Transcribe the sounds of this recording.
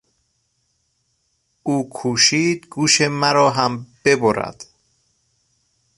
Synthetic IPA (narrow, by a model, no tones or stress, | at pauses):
uːkʰuːʃiːd̪ɡuːʃemæɾɒːɦæmb̥e̞boɾæ̰d̪̥